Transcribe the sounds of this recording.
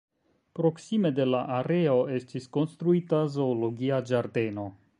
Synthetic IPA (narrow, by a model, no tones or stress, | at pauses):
pɾo̞ksime̞de̞laʔaɾe̞o̞e̞stisko̞nst̪ɾuitazo̞ːloɡiad͡ʒaɾde̞no̞